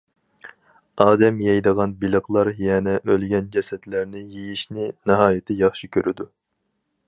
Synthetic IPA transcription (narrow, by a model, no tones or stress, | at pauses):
ɑːd̪ɛmjɛjd̪əʁɑnbilˠəχlˠɑɾjɛnɛʔølɡʲɛnd͡ʒɛsɛt̪læɾnɪjejiʃnɪnɨɦɑːjɪt̪ʰɪjɑχʃikʲʰøɾɪd̪u